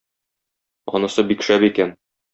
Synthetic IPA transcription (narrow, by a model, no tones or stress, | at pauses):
ɒ̰nɤ̆sɤbikʃæbikæn